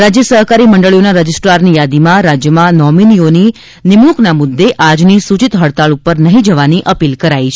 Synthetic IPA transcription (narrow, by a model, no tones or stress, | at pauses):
ɾad͡ʒjəsəɦkaɾiməɳɖəɭijonaɾəd͡ʒɪsʈɾaɾnijad̪imãɾad͡ʒjəmãnɔminioni | nɪmɭuknamʊd̪ːeʔad͡ʒnisut͡ʃit̪ɦəɭt̪aɭupəɾnəɦĩd͡ʒəʋaniʔəpilkəɾait͡ʃʰ